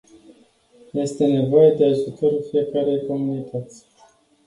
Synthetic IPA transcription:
je̞st̪e̞ne̞vo̞jed̪eaʒut̪oɾufijekaɾe̞jko̞munit̪ʰət̪sʲ

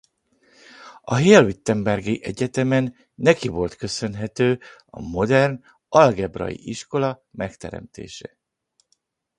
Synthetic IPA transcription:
ɒɦeːlvit̪ːɛmbɛrɡiʔɛɟɛt̪ɛmɛnː | ɛkivo̞lt̪kø̞sø̞nɦɛt̪øːɒ̰mo̞d̪ɛrn | ɒlɡɛbrɒ̰jḭʔiʃko̞lɒ | mɛkt̪ɛ̰ɾɛ̰mt̪ḛːʃɛ

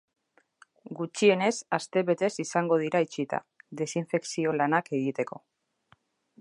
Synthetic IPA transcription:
ɡut͡ʃie̞ne̞sast̪e̞βe̞t̪e̞sisaŋɡo̞ð̞iɾait͡ʃit̪a̰ | d̪e̞siɱfe̞ksio̞lanake̞ɣ̞it̪e̞ko̞

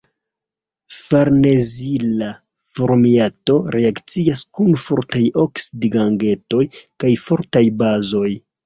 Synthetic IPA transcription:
faɾne̞zila | foɾmiato̞ɾʔe̞akt͡siaskunfoɾtajo̞ksidiɡaŋɡe̞to̞jkajfo̞ɾtajbazo̞j

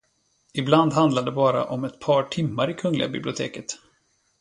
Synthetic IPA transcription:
ɪbland̪ɦand̪lad̪ɛbɑːɾa̰ʔɔmɛt̪pʰɑːʈʰɪmːaɾɪkʰɵŋlɪɡa̰bɪ̰blʊt̪ʰḛːkət̪

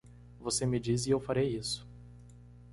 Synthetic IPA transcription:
vosemɪd͡ʒizɪewfaɾejisʊ̥

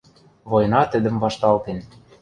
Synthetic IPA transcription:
βojnɑt̪ə̆d̪ə̆mvɑʃt̪ɑlt̪en

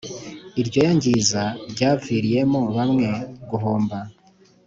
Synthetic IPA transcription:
iɾɟo̞jaɲɟizaɾɟaːviːɾije̞moβamŋe̞ɡuɦoːmba

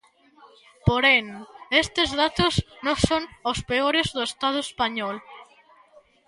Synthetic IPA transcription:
poɾeŋest̪ɪzðat̪ʊsnõŋsoŋospeoɾezðʊest̪að̞ʊespaɲɔl

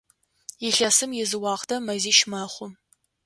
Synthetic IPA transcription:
jɪɬɐsɨmjɪzɨwɑːʁtʰɐmɐziːʃmɐχʷʊ

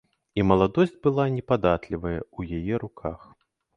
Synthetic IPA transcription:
imɐlˠad̪ɔsʲd͡zʲbɨlˠanʲɛpad̪at̪lʲivɐjɐ̰ujajɛɾukʰax

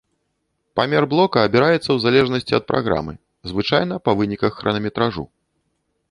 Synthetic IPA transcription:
pamʲɛrblˠɔkɐːbʲiɾajɛt̪sːɐwzalʲɛʐnɐsʲt͡sʲiɐ̰t̪̚pɾa̰ɣɾa̰mɨ̰ | zvɨt͡ʂajn̪ɐpɐvɨnʲikɐxːɾɐnɐmʲɛt̪ɾaʐṵ

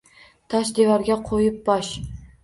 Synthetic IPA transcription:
t̪ʰaʃd̪evaɾɡʲaqʰojɪp̚bɒʃ

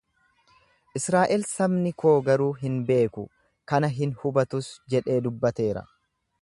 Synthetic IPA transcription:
ʔɪsɾaːʔɛlsɐmnɪkʰo̞ːɡɐɾuːɦɪnbe̞ːkʊ̰ | kɐnɐɦɪnhʊbɐt̪ʊsd͡ʒɛᶑe̞ːd̪ʊbːɐt̪e̞ːɾɐ̰

